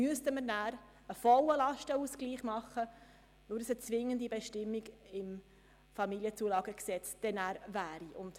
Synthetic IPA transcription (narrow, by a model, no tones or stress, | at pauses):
myəstəməɾnæːɾ | əfɔləlɑʃtəuskliːχmɑχːə | nʊɾsət͡sʋɪŋːəndibɛʃtɪmːiɡɪm | fɑmiljət͡suːəlɑːɡəksɛt͡sd̥ɛnæːɾvæːɾiʔʊnd̥